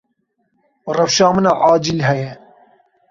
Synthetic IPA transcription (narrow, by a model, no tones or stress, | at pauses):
rɐfʃɑːmɨnɑʔaːd͡ʒilɦɛjɛ